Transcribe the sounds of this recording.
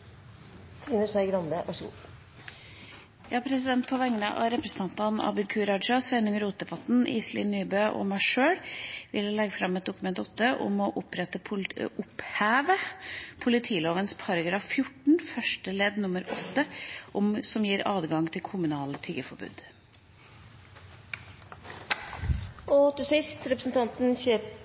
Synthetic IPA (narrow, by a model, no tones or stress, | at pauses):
t̪ʰɾɪnəʂæɪɡɾɑnd̪əʔɔʃṵː | jɑːpʰɾɛs̬ɪd̪ɛnt̪̚pʰɔʋɛŋːənə̰ʔɑ̰ɾɛpɾəsn̩t̪ʰɑnt̪ɑnɑ̰bɪd̪kʰʉːɾɑd̪ʂɑsʋɛɪnʊŋəɾuːt̪̚d̪ɛbɑt̪n̩ʔḭːslɪ̰ːnːyːbøːʔɔ̰mæɪʂøːɽʋɪ̰llɛɡːəfɾɑmɛt̪̚d̪ʊkʉmɛnt̪ɔt̪ːəʔʊ̰mɔʔʊpɾɛt̪əpʰʊphæːʋəpʰʊlɪt̪ʰiːloːʋənspʰɑɾɡɾɑfjʊʈɳ̩fœʂʈəlɛd̪nʊməɾɔt̪ːəʔɔmsɔmjiːɾɑ̰ːd̪ɡɑŋt̪ʰɪlkʰʊmʉnɑːlət̪ʰiːɡəfɔɾbʉ̰ːd̪ | ɔt̪ʰɪsɪst̪ɾɛpɾəsn̩t̪ʰɑnt̪n̩seː